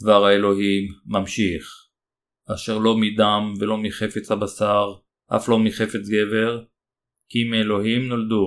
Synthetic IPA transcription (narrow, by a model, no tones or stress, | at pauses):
dvaʁhaelo̞ɦimːamʃiχ | aʃe̞ʁlo̞midamvelo̞miχe̞fet͡shabasaʁ | ʔa̰flo̞miχe̞fe̞t͡sɡe̞ve̞ʁ | kimielo̞ɦimnold̪u